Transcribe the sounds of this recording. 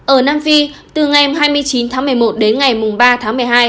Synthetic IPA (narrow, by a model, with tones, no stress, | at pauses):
ʔəː˧˩naː˧mfi˧t̪ɨ˨˩ŋa˨˩ɦaː˧jmɨ˧əjt͡ɕi˨˦nt̪ʰaː˨˦ŋmɨ˨˩əjmo˨˩t̚ɗe˨˦nŋa˨˩jmʊ˨˩ŋ͡mɓaː˧t̪ʰaː˨˦ŋmɨ˨˩əjɦaː˧j